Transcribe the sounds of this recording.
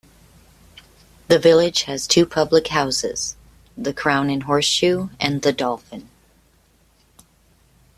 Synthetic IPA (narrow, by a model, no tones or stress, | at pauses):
ðɨvɪlˠɪd̥ʒ̥ɨz̥tʰʉpʰʌblɨkhaʊsɪ̰z̥ | ðɨkʰɹ̥ãʊ̃nɨ̃nɦɔɹsʃʉɨ̃nðɨdɔlˠfɨ̃n